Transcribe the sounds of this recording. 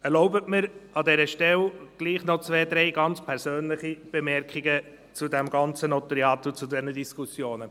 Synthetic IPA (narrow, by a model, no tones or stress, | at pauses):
ɛɾlɔʊbətmɪɾɑdɛɾəʃtɛlɡ̥liːχnot͡sʋeːdɾeɪɡɑnt͡spʰɛɾsøːnlɪχib̥emɛɾkχiɡə | t͡sudɛmɡɑnt͡sənɔt̪əɾiɑːt̪ut͡sudɛnədiskʰusjoːnə